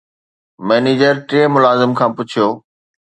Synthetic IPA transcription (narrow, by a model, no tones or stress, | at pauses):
mɛːneːd͡ʑəɾʈɾeːmʊlaːzɪmkʰãːpʊt͡ɕʰijoː